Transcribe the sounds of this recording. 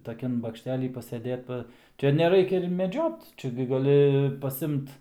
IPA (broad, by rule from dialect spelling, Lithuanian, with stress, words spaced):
tɐˈkʲɛn bɐkʃʲˈtʲæːlʲiː pɐsʲɛˈdʲeːt ˈpɐ ˈt͡ʃʲɛ nʲɛˈrɐɪkʲɛ ɪr mʲɛˈd͡ʒʲoːt ˈt͡ʃʲɛ ɡʲɪ ɡɐˈlʲɪ pɐsʲˈɪmt